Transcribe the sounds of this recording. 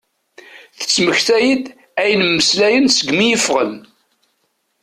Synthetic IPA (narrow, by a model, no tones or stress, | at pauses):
θə̥t͡sːməçθæjid̪ | æjənmːəslæjənsəɡmijəfʁə̰n